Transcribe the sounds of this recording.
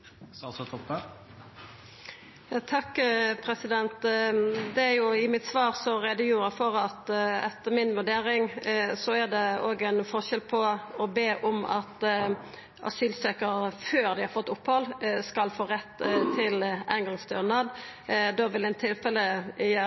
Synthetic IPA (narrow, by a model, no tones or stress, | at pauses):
st̪ʰɔpə | jɑːt̪ʰɑkːpʰɾɛsɪd̪ɛnt̪ | d̪ɛæɾjʊɪmɪt̪sʋɑːɾsɔɾɛd̪əjuːɾɑfɔɾɑt̪ɛt̪ːəmɪnʋʉɖeːɾɪŋsɔæʁd̪ɛoːɡænfɔʁʃɛlpʰɔɔbeːʔɔmɑ̰t̪ | ʔɑ̰syːlsøːkəɾəføːʁd̪ɪhɑɾfɔt̪ːʊphɔlskɑlfoːɾɛt̪ːt̪ʰɪlæ̰ɪnɡɑŋst̪øːʁnɑd̪d̪oːʋɪlæɪnt̪ʰɪlfɛləjæ